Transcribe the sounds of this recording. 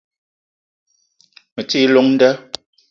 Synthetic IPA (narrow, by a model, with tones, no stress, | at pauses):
mə˨ti˦lo˦ŋn̩˦də˦